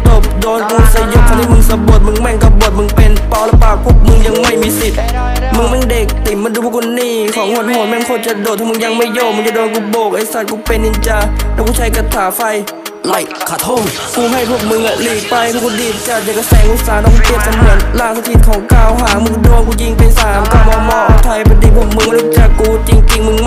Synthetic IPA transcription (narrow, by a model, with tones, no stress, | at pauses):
t̪o˨˩kdɔː˧mo˧˩ŋsa˨˦jo˧˥˨t̪ʰːt̪ʰi˧˨mɯ˧ŋsa˨˧˦bo˨˩ət̪̚mɯ˧ŋmɛ˧˩˨ŋka˧˩p̚bo˨˩ət̪̚mɯ˧ŋpe˧˨npɔː˧˩wlɛː˧˥˩paː˨˩k̚pʰo˧˥˩p̚mɯ˧ŋja˧ŋma˧˩jmiː˧˥si˨˩t̪̚ | mɯ˧˥˨ŋmɛː˧˥˨nde˨˩k̚t̪i˨˦mbaː˧nduː˧pʰu˧˩kʰu˧nːiː˧˥˩kʰɔː˨˦ŋho˧˥t̪̚hoː˨˧˦nmɛ˧˥˨nkʰo˧˩t͡ɕa˧˦doː˨˩t̪ʰːɔː˧mː˧ŋja˧˦ŋma˧˩jjoː˧˩˨mɯ˧˨ŋt͡ɕa˧˩doː˧˦ku˧˩boː˧˨˩k̚ʔa˧˩jsa˧˩t̪̚kuː˧˦pe˧˨ni˧˦t͡ɕa˧lɛː˧˩wkuː˧˩t͡ɕʰa˧˥˦jka˧˩t̪ʰːaː˨˦fa˧j | kuː˧˩ɦa˧˩˨jpʰo˧˩p̚mɯ˧˥ŋʔa˧liː˨˩k̚pa˧jʰkʰu˧diː˨˩t̪̚t͡ɕaː˧˩t̪̚t͡ɕa˧˩ka˧sa˨˦ŋʔu˧˩saː˨˦nɔː˧˩ŋsi˧p̚e˧˩t̪̚sa˨˧˦mu˧˩ət̪̚laː˧˩ŋsa˧t̪ʰi˧t̪̚kʰɔː˨˦ŋkaː˧˩wɦaː˨˩˦mɯ˧kdu˧˨əkuː˧˩t͡ɕi˧˦ŋpa˨jsaː˨˦mkaː˧˩wbɔː˧mɔː˧ʔɔː˧˩t̪ʰa˧˩jpʰa˧˦diː˨˩pʰo˧˥˩p̚mɯ˧ŋma˧duː˧˩t͡ɕaː˧˨˩kːuː˧˩t͡ɕi˧ŋt͡ɕi˧ŋmɯ˧ŋ